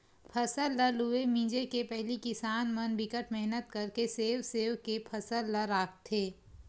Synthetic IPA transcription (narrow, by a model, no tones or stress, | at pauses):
pʰɐsəlːəlɦʊemĩːd͡ʒekepɛɦlikɪsaːnmɐnbɪkəʈmɛɦnət̪kɐɾkeseːwseːwkepʰɐsəlːəɾaːk̚ʰt̪ʰːeː